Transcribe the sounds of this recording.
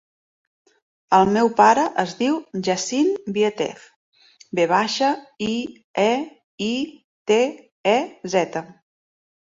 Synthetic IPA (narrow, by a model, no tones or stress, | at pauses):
əlˠmɛwpaɾəʔəzðiwʒəsimbiət̪ɛ̰f | beβ̞aʃəi | ɛ | i | t̪e | ɛzɛt̪ə